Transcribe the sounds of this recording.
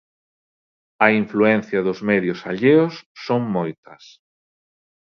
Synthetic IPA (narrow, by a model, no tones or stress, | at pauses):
ɐiɱfluɛn̟θjɐðʊzmɛðjʊsaʎeʊsːoŋmojt̪ɐs